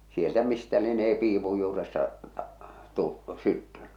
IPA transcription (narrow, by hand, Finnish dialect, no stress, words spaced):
sieltæ mistæ lieneː piːpuj juːrestɑ tu sytːynˑy